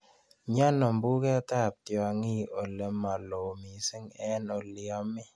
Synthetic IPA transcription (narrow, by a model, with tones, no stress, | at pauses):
ɲa˦nɔ˨mbu˦kɛ˦ta˦˨p̚tjɔ˨ŋi˦˨o˨le˨ma˨lo˨mi˨sɪ˦ŋɛ˦no˨li˨ɔ˨mɪ˦